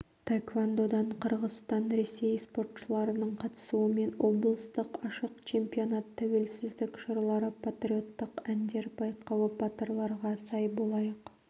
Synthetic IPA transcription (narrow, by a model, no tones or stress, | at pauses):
t̪ʰakvand̪o̞d̪ɑɴqʰəɾʁəst̪ɑnɾe̞se̞jspo̞rt̪ʃəlˠɑɾənəɴqʰɑt̪ə̥suəme̞nwo̞blˠst̪əqɑʃəqt͡ʃʰe̞mpio̞nɑt̪ʰːæwe̞lsɪzd̪ɪkʲʃəɾlˠɑɾəpʰat̪ɾʲio̞t̪ːəqænd̪e̞ɾbɑjqɑwəbɑt̪ərlˠɑɾʁɑsɑjbo̞lˠɑjəq